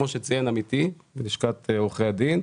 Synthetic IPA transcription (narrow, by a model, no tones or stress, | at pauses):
oʃet͡sijenamit̪iveniʃkat̪eoχead̪in